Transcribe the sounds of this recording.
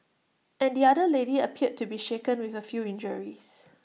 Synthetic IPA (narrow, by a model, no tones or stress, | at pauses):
ʔɛ̃ndiadəleɾiəpʰiət̚tːubiʃekə̃nwiθəfjuĩnd͡ʒəɹis